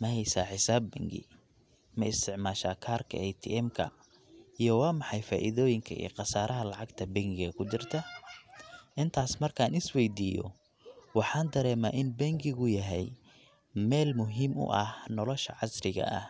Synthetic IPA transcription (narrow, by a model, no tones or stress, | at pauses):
mɐɦɛjsaːħɪsaːbːɐ̰ŋɡɪ̰ | mɐɪst̪ʰɪʕmaːʃaːkʰaːrkʰɐ̰ɛjt̪ʰḭʔɛmkʰɐ̰ | ʔijɔwɑːmɑħɑjfaːʔɪðɔːjɪŋkʰɐ̰ʔḭːqɑsaːɾʔɐɦɐlɑʕɑɡt̪ʰɐbɐŋɡɪɣɐkʰʊt͡ʃɪrt̪ʰɐ | ʔɪnt̪ʰaːsmɐrkʰaːnɪswɛjd̪iːjɔ̰ | wɑħɑːnd̪ɐɾɛːmaːʔɪnbɐŋɡɪɣʊjɐɦɛj | mɛːlmʊɦiːmʊ̰ʔɐhnɔlɔʃɐ̰ʕɑsrɪɣɐ̰ʔɐ̰h